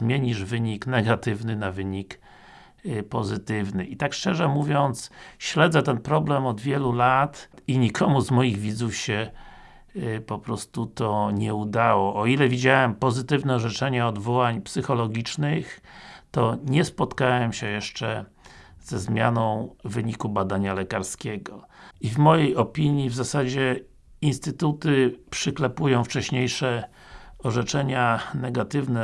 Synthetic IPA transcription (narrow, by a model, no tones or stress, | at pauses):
mʲjeɲiʐvɘɲiknɛɡat̪ɘvnɘnavɘɲik | pɔzɘt̪ɘvnɘit̪akʂt͡ʂɛʐɛmuvʲjɔnt̪sɕlɛd̪zɛt̪ɛnpɾɔblɛmɔd̪vʲjɛlulat̪iɲikʰɔmuzmɔjiɣvʲid̪zufɕɛ | pɔpɾɔst̪ut̪ɔɲɛud̪awɔʔːilɛvʲid͡ʑawɛmpɔzɘt̪ɘvnɛɔʐɛt͡ʂɛɲɛɔd̪vɔwaɲpsɘxɔlɔɡʲit͡ʂnɘxt̪ɔɲɛspɔt̪kawɛmɕɛjɛʂt͡ʂɛ | z̥ɛzmʲja̰nɔ̃w̃vɘɲikubad̪aɲalɛkaɾskʲɛɡɔivmɔjejɔpʲiɲjivzasad͡ʑɛ | inst̪ɘt̪ut̪ɘpʂɘklɛpujɔ̃w̃ft͡ʂɛɕɲejʂɛ | ɔʐɛt͡ʂɛɲanɛɡat̪ɘvnɛ